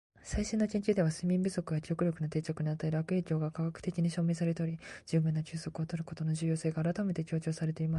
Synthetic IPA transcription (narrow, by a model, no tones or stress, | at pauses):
saiɕĩnːot͡ɕĩɲt͡ɕʲid̪e̞βasɨmʲĩmbɯ̟so̞kɯ̟jakʲo̞ːkɯ̟ɾʲjo̞kɯ̟not̪e̞ːt͡ɕakɯ̟ɲ̟iat̪ːaeɾɯβakɯ̟e̞ːkʲo̞ːɡakaɡakɯ̟̥t̪e̞kʲiɲ̟iɕo̞ːme̞ːs̬aɾet̪oɾʲid͡ʑɨːbɯ̟nːat͡ɕɨːso̞kɯ̟ot̪o̞ɾɯ̟ko̞t̪o̞no̞ʑɨːjo̞ːse̞ːɡaːɾat̪ame̞t̪e̞kʲo̞ːt͡ɕo̞ːsaɾe̞t̪e̞imas